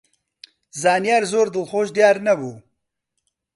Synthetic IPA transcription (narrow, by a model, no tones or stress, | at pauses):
zɑːnjɑːɾzoːɾd̪əlxoːʃd̪jɑːɾnabu